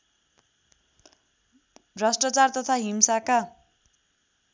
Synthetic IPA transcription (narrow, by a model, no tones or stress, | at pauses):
rasʈrat͡sart̪ʌt̪ʰaɦimsaka